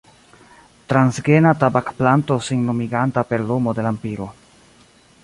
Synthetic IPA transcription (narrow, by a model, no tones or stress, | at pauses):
t̪ɾansɡenatabakplantosiŋnomiɡantape̞ɾlomode̞lampiɾo